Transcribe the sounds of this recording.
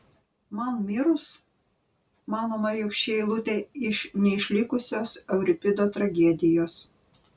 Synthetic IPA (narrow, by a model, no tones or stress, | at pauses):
mɑnmʲɪɾʊs | mɑːnoːmɐɾjɔkʃʲt͡ʃʲeːɪlˠʊt̪ʲeːɪʃnʲɛɪʃʲlʲɪkʊsʲoːsɛʊɾʲɪpʲɪd̪oːt̪ɾɐɡʲɛd̪ʲɪjoːs